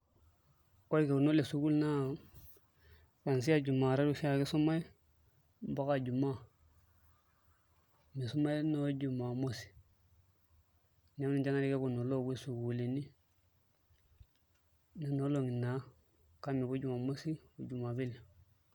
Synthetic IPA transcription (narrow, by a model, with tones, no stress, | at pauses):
ko˦i˦ke˨ku˨no˦le˨su˨ku˦lna˦ | ka˨ns̬i˦a˦d͡ʒu˨ma˨ɾa˦du˦si˦ja˨ki˦so˦ma˦i˦ | ba˦ka˨d͡ʒu˨ma˦˨ | mi˨su˦ma˦i˦no˦d͡ʒu˨ma˨mo˦si̥˨ | ɲa˦i˦d͡ʒa˦na˦ɾi˦ke˦ku˨no˨lo˦˨ɡi˦su˨ɡu˨li˨ni˦ | ne˨no˦lo˦ŋi˨na˨˦ | ka˦mi˨ku˦d͡ʒu˨ma˨mo˦si˦u˨d͡ʒu˨ma˨bi˦le˨